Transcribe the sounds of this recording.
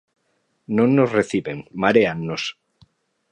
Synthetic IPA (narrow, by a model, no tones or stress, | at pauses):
nõnːosreθiβeŋmaɾeanːos